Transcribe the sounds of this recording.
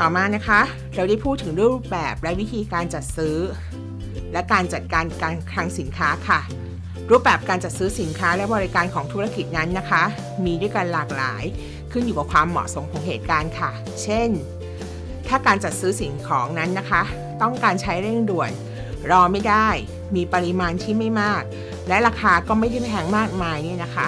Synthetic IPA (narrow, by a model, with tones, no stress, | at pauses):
t̪ɔː˨˩maː˧na˦˥kʰa˦˥ | ɾa˧da˥˩jpʰuː˥˩t̪ʰːɯ˩˦ŋdu˥˩˨jɾuː˥˩p̚bɛː˨˩p̚lɛ˦˥wi˦˥t̪ʰiː˧kaː˧nt͡ɕa˨˩t̪̚sɯː˦˥ | lɛ˦˥kaː˧nt͡ɕa˨˩t̪̚kaː˧nkaː˧nkʰɾa˦˥ŋsi˩˦nkʰaː˦˥kʰa˥˩ | ɾuː˦˥˩p̚bɛː˨˩p̚kaː˧nt͡ɕa˨˩t̪̚sɯː˦˥si˩˦nkʰaː˦˥lɛ˦˥bɔː˧ɾi˦˥kaː˧nkʰɔː˩˦ŋt̪ʰu˦˥ɾa˧˩ki˨˩t̪̚na˦˥nːa˦˥kʰa˦˥ | miː˧du˥˩jka˧nlaː˨˩k̚la̰ː˩˦j | kʰɯ˥˩njuː˨˩ka˨˩kʰwaː˧mːɔ̰˨˩so˨˩˦mkʰɔː˩˦ŋɦeː˨˩t̪̚kaː˧nkʰa˥˩ | t͡ɕʰe˥˩n | t̪ʰaː˥˩kaː˧nt͡ɕa˨˩t̪̚sɯː˦˥si˩˦nkʰɔː˩˦ŋna˦˥nːa˦˥kʰa˦˥ | t̪ɔ˥˩ŋkaː˧nt͡ɕʰa˦˥jɾe˥˩ŋdu˨˩ən | ɾɔː˧ma˥˩jda˥˩j | miː˧pa˧ɾi˧maː˧nt̪ʰiː˥˩ma˥˩jmaː˥˩k̚ | lɛ˦˥ɾaː˧kʰaː˧kɔː˥˩ma˥˩ja˥˩pʰa˥t̪ʰɛː˧ŋmaː˥˩k̚maː˧jni˥˩ɐna˦˥kʰa˦˥